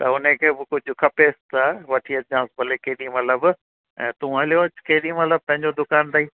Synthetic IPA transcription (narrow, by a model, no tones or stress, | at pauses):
t̪ɐʊnekʰeːbɪkʊd͡ʑʊkʰɐpeːst̪ɐʋɐʈʰiːɐd͡ʑãːsbɐlekeːɗĩmɐt̪ləb | ɛ̃ːt̪ũɐljot͡ɕkeːɗĩmɐt̪ləb̚pɐ̃ɦɪ̃ɲd͡ʑod̪ʊkaːnt̪aiː